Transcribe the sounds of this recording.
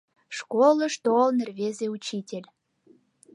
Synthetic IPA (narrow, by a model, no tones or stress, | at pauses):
ʃkoləʃt̪olnerβezeut͡ɕitʲelʲ